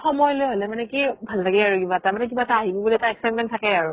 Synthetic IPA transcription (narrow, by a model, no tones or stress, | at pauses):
xɔmɔjlɯɦɔlɛmanɛkibʱalːaɡɛaɹuɡibatamanɛk̬ibataaɦibubuliɛtaɛk̚saj̚mɛntʰakɛaɹu